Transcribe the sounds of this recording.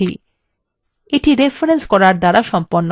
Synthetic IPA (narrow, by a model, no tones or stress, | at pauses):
i | eʈiɾefeɾenskɔɾaɾd̪aɾaʃɔmponːo